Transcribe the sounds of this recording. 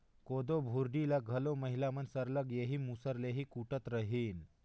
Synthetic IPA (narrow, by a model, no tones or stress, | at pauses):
kod̪obʱuɾɖilaɡʱəloməɦilamənsəɾləɡjeɦiːmusəɾleɦiːkuʈət̪ɾəɦiːn